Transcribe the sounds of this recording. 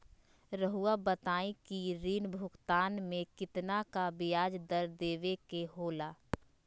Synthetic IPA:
ɾəɦuabət̪aːĩkiɾiːnbʱʊɡt̪aːnmẽkɪt̪nakabɪjaːd͡ʒd̪əɾd̪eːʋekeɦoːlaː

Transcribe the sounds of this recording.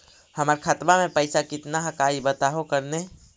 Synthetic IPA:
həməɾkʰat̪mamẽpəɪsakɪt̪naɦəkaibət̪aɦokəɾne

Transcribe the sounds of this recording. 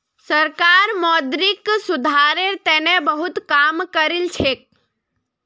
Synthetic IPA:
səɾkaːɾmɔːd̪ɾɪksʊd̪ʱaɾeɾt̪ɛːnebəɦʊt̪kaːmkəɾilt͡ʃʰek̚

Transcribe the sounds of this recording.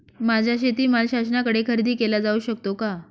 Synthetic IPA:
mad͡ʑʱaɕet̪iːmalɕas̬nakəɽekʰəɾid̪iːkelad͡zauːɕək̚t̪oka

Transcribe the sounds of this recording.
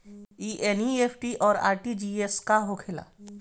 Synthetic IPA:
iːʔeniepʰʈiʔɔːɾa̰ːɾʈid͡ʒieskaɦokʰela̰ː

